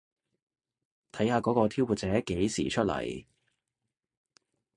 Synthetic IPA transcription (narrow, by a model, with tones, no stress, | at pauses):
t̪ʰɐ˨˥jhaː˧kɔː˨˥kɔː˧t̪ʰiː˥wpu˨˧t̚t͡sɛː˨˥ke˨˥jsḭː˨˩t͡ʃʰɵ˥t̚lɐ̰˨˩j